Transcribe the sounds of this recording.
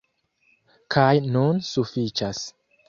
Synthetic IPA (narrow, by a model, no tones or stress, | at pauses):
kʰajnunsufit͡ʃas